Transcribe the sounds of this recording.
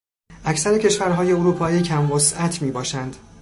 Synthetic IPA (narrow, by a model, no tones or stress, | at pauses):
ʔæcsæɾe̞cʰe̞ʃvæɾɦɒːje̞oɾuːpʰɒːiːcʰæmvosʔæt̪ʰmiːbɒːʃænd̪̥